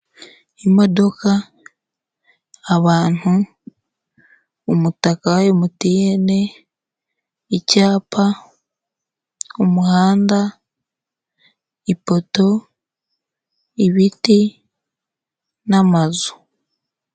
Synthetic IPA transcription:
imo̞do̞ka | βaːn̥u | mutakawajemutijene̞ | icaːpʰa | umuhaːnda | ipo̞to̞ | iβiti | namazu̥

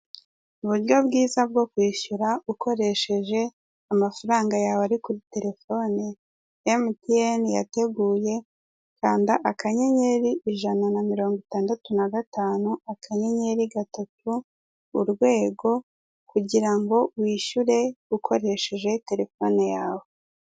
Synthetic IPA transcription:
uβuɾjo̞bɡiːzab̚ɡo̞kwiːʃuɾaukʰo̞ɾe̞ʃe̞ʒe̞ | amafaɾaːŋɡajawaɾikuɾite̞ɾe̞fo̞ːne | emtienja̰te̞ɡuːje̞ | kaːndaʔakaɲe̞ɲe̞ɾiiʒananamiɾo̞ːŋɡitaːndatunaɡataːnuakʰaɲe̞ɲe̞ɾiɡatatʰuː | ɾɡwe̞ːɡo̞ | kuɟiɾaŋɡo̞wiːʃuɾe̞ukʰo̞ɾe̞ʃe̞ʒe̞te̞ɾe̞fo̞nejaːwo

